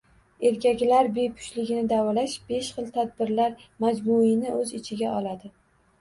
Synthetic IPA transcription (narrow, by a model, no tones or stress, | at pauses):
e̞ɾkʲakʲlaɾbejpʰʊ̥ʃlɪɡʲɪnɪd̪awɒlaʃb̥e̞ʃχɨlˠt̪ʰad̪̚bɪɾlaɾmad͡ʒbuinɪʔɵzɪt͡ʃʰɪɡʲaʔɒlad̪ɪ